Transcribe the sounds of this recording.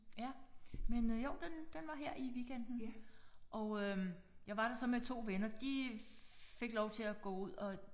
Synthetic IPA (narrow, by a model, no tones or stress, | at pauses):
jæmenjoʊd̥end̥enʋɑ̈ɦeɐ̰ʔiʋiɡ̥en̰d̥n̩ʔɒ̽ʊø | jɑ̈ɪʋɑ̈ɾ̥ɑ̈sɒ̽met͡sʰo̝̰ːʋenɐd̥i | fe̝ɡ̥lɒʊt͡sʰe̝æɡ̥ɔ̰ːuð̰ˠɒ̽